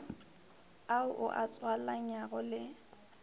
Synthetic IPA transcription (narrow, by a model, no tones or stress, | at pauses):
aʊʔʊ̰ʔat͡sʼwallaɲaɣʊlɪ